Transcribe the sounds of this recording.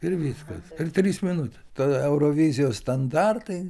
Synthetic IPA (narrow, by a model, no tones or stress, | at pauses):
ɪɾʋʲiskɐsɪrt̪ʲɾʲiːsmʲɪnʊt̪ʲɛ̥st̪oɛʊɾoːʋʲizʲɪjoːsst̪ɐnd̪ɑrt̪ɐɪ